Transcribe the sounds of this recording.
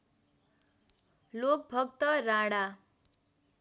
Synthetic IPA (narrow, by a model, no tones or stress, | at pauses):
lok̚bʱʌkt̪ʌɾaɽa